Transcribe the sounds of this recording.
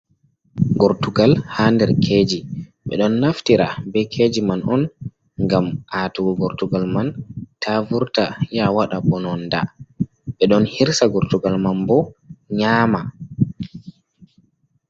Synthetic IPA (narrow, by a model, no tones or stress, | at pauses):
ɡɔɾtuɡalhandɛɾkʰed͡ʒiɓɛ̰ɗɔnːaftiɾabɛkʰed͡ʒimanʔɔn | ŋɡamʔatuɡɔɡɔɾtuɡalmantʰavuɾtajawaɗaɓɔnɔnda̰ | ɓɛɗɔnhiɾsaɡɔɾtuɡalmanbɔɲaːma